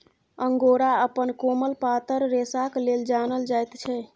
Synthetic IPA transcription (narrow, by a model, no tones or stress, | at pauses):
əŋɡoɾaəpənkoməlpat̪əɾːesakleld͡ʒanəld͡ʒajt̪t͡ʃʰɛ